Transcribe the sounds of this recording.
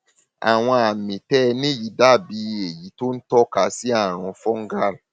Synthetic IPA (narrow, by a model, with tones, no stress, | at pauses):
a̰˨w̃ɔ̃˧a˨mĩ˨tɛ˦˧nĩ˦˨ji˨˦da˦˨bi˧e˨ji˨˦to˦n̩˦tɔ˦ka˧˦si˦a˦˨ɾ̃ɔ̃˧fɔ˦ŋ̩˦ɡa˦˨ɾ